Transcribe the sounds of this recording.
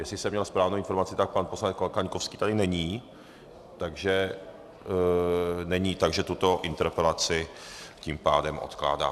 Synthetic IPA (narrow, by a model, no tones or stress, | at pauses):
jɛslɪsɛmɲɛlspɾaːvnowɪnfo̞ɾmat͡sɪt̪ak̚panposlanɛt͡solkaɲkofskiːt̪adɪnɛɲiː | t̪aɡʒɛ | nɛɲiːt̪aɡʒɛt̪ut̪o̞ʔɪnt̪ɛɾpɛlat͡sɪ | cimpaːdɛmʔo̞̰t̪kla̰ːda̰ː